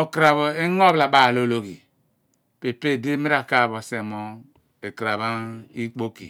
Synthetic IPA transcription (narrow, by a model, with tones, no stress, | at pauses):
o˨kɾa˨βo˨e˦ŋo˦bla˨ba˦˨lo˦lo˦ki˨ | pe˨pe˦˨di˦mi˦ɾa˨ka˦˨bo˨se˨mo˨ | e˨kɾa˨βa˦i˦k͡po˦kḭ˨